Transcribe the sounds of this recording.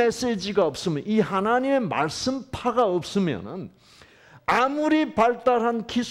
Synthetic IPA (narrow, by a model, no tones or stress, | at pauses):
es͈ed͡ʑiɡaʌp̚s͈ɯmjʌnihanaɲime̞ma̰ɭs͈ɯmpʰaɡaʌp̚s͈ɯmjʌ̰nɯ̰n | amuɾipaɭt͈aɾɦankisʰ